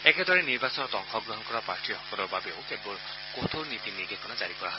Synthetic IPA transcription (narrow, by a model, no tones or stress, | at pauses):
eked̪ɔɹeniɾbasɔnɔt̪ɔŋxɔɡɹɔɦɔnkɔɾapaɹʈʰihɔkɔlɔbabeo̰wkebol | kot̪ʰoɾnit̪inidekɔnad͡ʒaɾikɔaɦɔs